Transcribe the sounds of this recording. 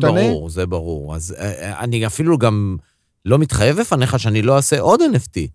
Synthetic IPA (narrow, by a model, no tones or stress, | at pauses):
baʁuʁzebaʁuʁa̰za̰niafiluɡam | lo̞mit̪χaje̞vle̞fane̞χaʃeanilo̞aseʔo̞d̪eneft̪i